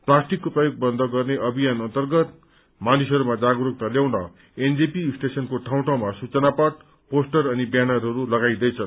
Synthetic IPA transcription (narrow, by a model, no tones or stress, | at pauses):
plasʈikːoprʌjoɡ̚bʌnd̪ʱʌɡʌrneʔʌbʱijanʌnt̪ʌrɡʌt̪̚ | manisʌɾumad͡zaɡɾuk̚t̪ʌljaw̃nʌ̰ | end͡zepisʈesʌnkoʈʰaw̃ʈawmasut͡sʌnapʌʈ̚ | posʈʌrʌnibjanʌrɦʌɾulʌɡajd̪ʌjt͡sʰʌ